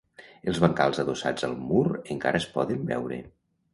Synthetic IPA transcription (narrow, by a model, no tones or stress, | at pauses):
elˠzβaŋkalˠzəðosad͡zəlˠmuɾəŋka̰ɾʔəespɔðəmbɛ̰wɾḛ